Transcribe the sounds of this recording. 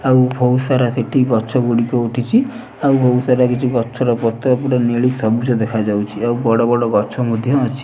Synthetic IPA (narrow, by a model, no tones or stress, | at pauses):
awbʱowsaɾaseʈʰiɡɔt͡ʃʰɔɡuɽikɔuʈʰit͡ʃʰi | awbʱowsaɾakit͡ʃʰiɡɔt͡ʃʰɔɾɔpɔt̪ɔapuɽaneɭiksɔbut͡ʃɔd̪ekʰad͡ʒawt͡ʃʰiawbɔɽɔbɔɽɔɡɔt͡ʃʰɔmud̪ʱjɔːt͡ʃʰi̥